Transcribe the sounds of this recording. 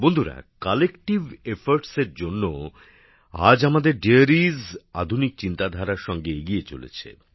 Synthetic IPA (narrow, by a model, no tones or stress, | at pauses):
bond̪ʱuɾa̰kɔlekʈivefaɾʈseɾd͡ʑonːo | a̰d͡ʑamad̪eɾɖiaɾiza̰d̪ʱunik̚t͡ɕint̪ad̪ʱaɾaɾʃɔŋɡeeɡiet͡ɕo̰lḛt͡ɕʰḛ